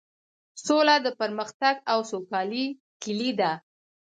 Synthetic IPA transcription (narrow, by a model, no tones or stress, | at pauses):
solad̪əpəɾməxt̪aɡawsokɑli | kɪlid̪a